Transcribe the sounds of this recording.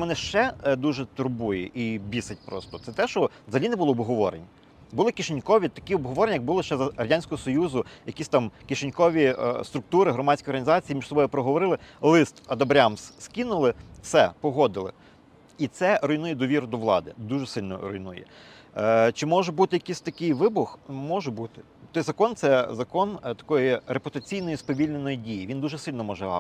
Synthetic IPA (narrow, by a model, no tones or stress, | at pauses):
mɔnɪʃt͡ʃɛd̪uʒɛt̪ʊrbujɛʔibʲisɐt̚ʲpɾɔst̪ɔt̪ɛt̪ɛʃt͡ʃɔzɐlʲinɪbʊlˠɔːbɦɔʋɔɾḛnʲ | bʊlˠɪkʲiʃenʲkɔʋʲit̪ɐkʲiɔbɦɔʋɔɾenʲjɐɡ̚bʊlˠɪʃt͡ʃɛzɐrɐdʲanʲsʲkɔɦɔsɔjuzʊjɐkʲisʲt̪ɑmkʲɪʃenʲkɔʋʲist̪ɾʊk̚t̪uɾɪɦɾɔmɑt͡ssʲkɔjɔrɦɐnʲzɑt͡sʲijːimʲiʃsɔbɔjʊpɾɔɦɔʋɔɾɪlˠɪlˠɪst̪ɐd̪ɐbɾʲɑmsskʲinʊlˠɪsɛpɔɦɔd̪ɪlˠɪ̰ | it̪sɛɾɔjnujɛd̪ɔʋʲiɾʊd̪ɔʋlˠɑ̰d̪ɪd̪uʒɛsɪlʲnɔ̰ɾɔ̰jnujɛ̰ | t͡ʃɪmɔʒɛbut̪ɪjɐkʲisʲt̪ɐkɪjʋɪbʊxmɔʒɛbut̪ɪ̥ | t̪ɔjzɐkɔnt̪sɛzɐkɔnt̪ɐ̥kɔjiɾepʊt̪ɐt͡sʲijnɔjispɔʋʲilʲnenɔjidʲijiʋʲind̪uʒɛsɪlʲnɔmɔʒɛ̰